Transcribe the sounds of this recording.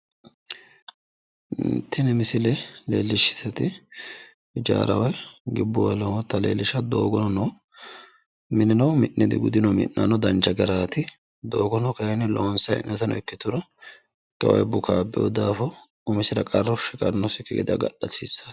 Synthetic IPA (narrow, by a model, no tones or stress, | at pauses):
nt̪ːɪnɛmɪsɪlɛleːlːɪʃːɪ̥sɛt̪ɪ | d͡ʒa̰ːɾɐwɐjɡɪbːʊwɐlɔwt̪ɐlḛːlːɪʃɐd̪oːɡɔnɔnɔ | mɪnɪnɐwmɪʔnʔɛd̪ɪ̰ɡʊd̪ɪnɔmɪ̰nːa̰nɔd̪ɐnt͡ʃːɐɡɐɾaːt̪ɪ | d̪o̞ːɡɔnɔkɐjɛnɪloːnsɐjɪ̰nːɛt̪ɐnɔ̰ɛkːɪt̪ʊɾɔ | ɡ̥ɐ̰wɐ̰jbʊkʰaːbːɛ̰jɔ̰d̪aːfɔ | ʊmɪsɪdɐkʼɐrːɔʃɪkʼɐnːɔsɪkːɪɡɪ̰d̪ɐ̰ɡɐ̰ɗːɐsḭsːɐ̥